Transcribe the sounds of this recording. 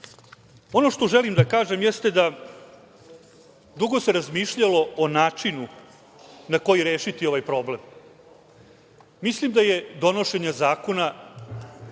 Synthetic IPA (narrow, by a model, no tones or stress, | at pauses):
o̞no̞ʃt̪o̞ʒelimd̪akaːʒe̞mjɛst̪e̞d̪a | d̪uɡo̞se̞ɾazmiːʃʎalo̞onaːt͡ʂinu | nako̞jiɾeːʃit̪io̞ʋajpɾo̞ːble̞m | islimd̪ajed̪o̞no̞ʃe̞ɲazaːko̞na